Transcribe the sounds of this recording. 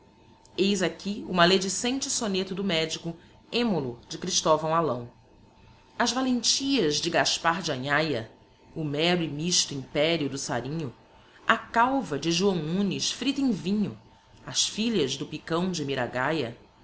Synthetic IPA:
ejzakʲiumaled͡ʒɪsẽnt͡ʃɪsonet̪ʊd̪ʊmɛd͡ʒikʊ | ẽmolʊd͡ʒɪkɾiʃt̪ovɐ̃w̃alɐ̃w̃ | ɐzvalẽnt͡ʃiɐzd͡ʒɪɡaʃpaɾd͡ʒɐɲajɐ | ʊmɛɾʊɪmiʃt̪ʊĩpɛɾiʊd̪ʊsa̰ɾĩɲʊ | akawvɐd͡ʒɪʒuɐ̃w̃nũnɪʃfɾit̪ẽvĩɲʊ | ɐsfiʎɐzd̪ʊpikɐ̃w̃d͡ʒɪmiɾaɡajɐ

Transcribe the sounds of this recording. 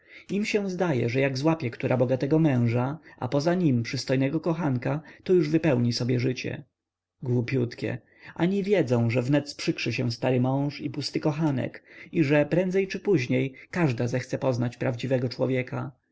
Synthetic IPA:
imɕɛw̃zd̪ajɛ̰ʐɛjaɡzwapʲjɛkt̪uɾʔabɔɡat̪ɛɡɔmɛ̃w̃ʐaʔa̰pɔzaɲimpʂɘst̪ɔjnɛɡɔkɔxankat̪ɔjuʐvɘpɛwɲisɔbʲjɛʐɘt͡ɕɛ̰ | ɡwupʲjut̪kʲɛ̰ | ʔaɲivʲjɛd̪zɔ̃w̃ʐɛvnɛt̪spʂɘkʂɘɕɛw̃st̪aɾɘmɔ̃w̃ʂipust̪ɘkɔxanɛ̰kiʐɛpɾɛnd̪zɛjt͡ʂɘpuʑɲejkaʐd̪azɛxt̪sɛpɔznat͡ɕpɾavd͡ʑivɛɡɔt͡ʂwɔvʲjɛka

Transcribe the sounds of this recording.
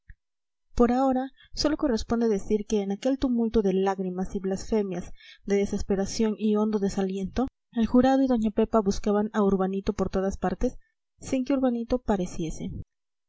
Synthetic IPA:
po̞ɾao̞ɾa | so̞lo̞ko̞re̞spo̞nd̪eðe̞siɾke̞ːnake̞lt̪umult̪o̞ðe̞laɣɾimasiβlasfe̞mjazd̪e̞ðe̞se̞spe̞ɾasjo̞nio̞nd̪oðe̞salje̞nt̪o̞ | e̞lxuɾað̞o̞iðo̞ɲape̞paβuskaβanauɾβanit̪o̞po̞ɾt̪o̞ð̞aspaɾt̪e̞sː | iŋkeuɾβanit̪o̞paɾe̞sje̞se

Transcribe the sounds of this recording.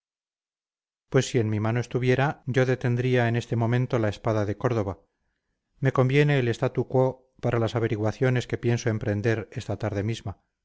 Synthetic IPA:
pwe̞sːie̞nmimano̞e̞st̪uβje̞ɾaɟ͡ʝo̞ðet̪e̞nd̪ɾiae̞ne̞st̪e̞mõ̞mẽ̞nt̪o̞laespaðaðe̞ko̞ɾðo̞βa | me̞ko̞mbje̞ne̞ːle̞st̪at̪ukwo | paɾalasaβ̞e̞ɾiɣwaθjo̞ne̞ske̞pje̞nso̞e̞mpɾe̞nd̪e̞ɾe̞st̪at̪aɾðe̞mizma

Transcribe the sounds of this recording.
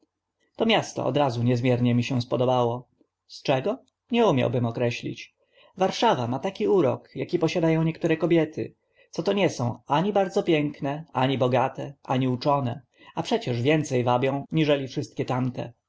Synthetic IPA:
t̪ɔmʲjast̪ɔ̰ʔɔ̰d̪ɾazuɲɛzmʲjɛɾɲɛmʲiɕɛ̃spɔd̪ɔbawɔ | st͡ʂɛɡɔ | ɲɛumʲja̰wbɘmɔkɾɛɕlʲḭt͡ɕ | vaɾʂavamat̪akʲiuɾɔ̰kjakʲipɔɕad̪ajɔ̃w̃ɲɛk̚t̪uɾɛkɔbʲjɛt̪ʰɘ̰ | t̪sɔt̪ɔɲɛsɔ̃w̃aɲibaɾd̪zɔpʲjɛŋknɛaɲibɔɡat̪ɛʔaɲiut͡ʂɔnɛ | apʂɛt͡ɕɛʐvʲjɛnt̪sɛjvabʲjɔ̃w̃ɲiʐɛlʲifʂɘst̪̚kʲɛt̪amt̪ɛ̰

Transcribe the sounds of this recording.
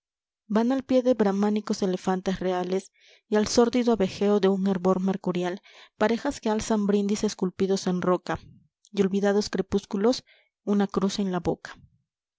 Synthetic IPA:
banalpje̞ðeβɾamaniko̞se̞le̞fant̪esre̞ale̞s | ialso̞ɾd̪iðoaβe̞xe̞oðe̞uŋeɾβo̞ɾme̞ɾkuɾjalpaɾe̞xaske̞alsambɾind̪ise̞skulpiðo̞se̞nro̞ka | jo̞lβiðaðo̞skɾe̞puskulo̞s | unakɾuse̞nlaβo̞kḁ

